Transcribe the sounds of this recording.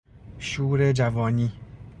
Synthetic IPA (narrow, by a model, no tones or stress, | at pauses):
ʃuɾed͡ʒavɔɲĩ